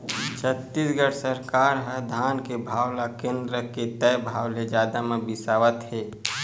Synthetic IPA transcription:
t͡ʃʰət̪ːisɡəɽsəɾkaːɾɦəd̪ʱaːnkebʱaːwlakẽːnd̪ɾəket̪ɛjbʱaːwled͡ʒaːd̪amebɪsaːʋət̪ɦeː

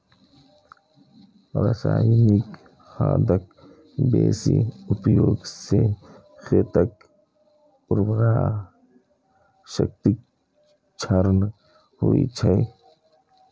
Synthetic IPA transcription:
ɾɐsa̰ːjnik | xaːd̪ɐk̚ | beːsiupjoːɡse | xet̪ɐk̚ | ʊɾbɾa | ʃɐ̰k̚t̪ik̚ | t͡ʃʰɐɾn | huḭt͡ʃʰɐj

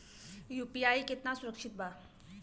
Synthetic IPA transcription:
jupiajket̪nasuɾəkʂit̪̚ba

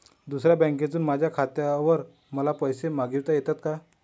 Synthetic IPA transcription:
d̪usɾjabɛ̃ŋked͡zuːnmad͡ʑʱjakʰat̪jaʋəɾ | məlapəjsemaɡiwt̪ajet̪at̪ka

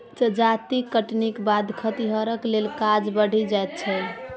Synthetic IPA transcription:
təd͡ʒat̪ikəʈnikbad̪kʰət̪iɦəɾəklelkad͡ʒbəɽ̤id͡ʒajt̪̚t͡ʃʰə

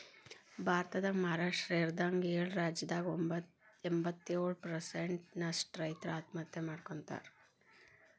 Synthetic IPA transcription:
bʱaːɾt̪ɐd̪ɐmaːɾaːʂʈɾeːɾd̪aːŋɡeːɭɾaːd͡ʒjɐd̪aːɡombɐt̪ | embɐt̪ːeːɽpɾɐseɳʈnɐsʈɾɐjt̪ɾɐaːt̪mɐt̪jɐmaːɽkoɳt̪a̰ːɾ

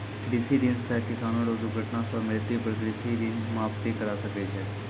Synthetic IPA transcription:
kɖisidɪnsɛkɪsaːnoɾoːd̪uɡʱəʈnasamɪlt̪ipɐɾkɽisiɖɪnmaːppikɐɾaːsɐked͡ʒɛː

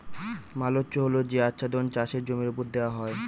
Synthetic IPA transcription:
malotːɕoɦolod͡ʑeatːɕʰad̪ont͡ɕaʃeɾd͡ʑomiɾupoɾd̪eoaɦɔe

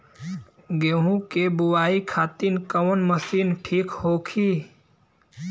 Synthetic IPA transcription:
ɡeɦũkebuwaikʰat̪inkəwnməsinʈʰiːkhokʰi

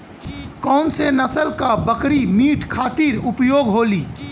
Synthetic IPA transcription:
kɔːnsenəsəlkabəkɽimiːʈkʰaːt̪iɾʊpjoːɡɦoːliː

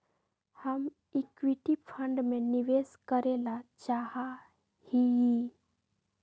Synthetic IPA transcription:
həm | ɪkʋiʈipʰə̃ɳɖmẽniʋeːskəɾelat͡ʃaːha | hiji

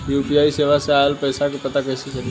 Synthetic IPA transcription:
juːpiaːiseːʋaseaːjəlpəːsakepɐt̪akɐɪsisɐɾi

